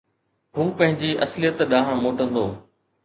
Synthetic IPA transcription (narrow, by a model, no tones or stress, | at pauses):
ɦũːpɐ̃ɦɪ̃ɲd͡ʑiːʔɐslijət̪ɗãːɦãmoːʈə̃nd̪oː